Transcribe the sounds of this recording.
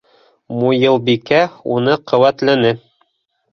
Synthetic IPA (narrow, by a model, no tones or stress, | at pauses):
mujɤlˠbikæunɤqʰɤ̆wæt̪lænɘ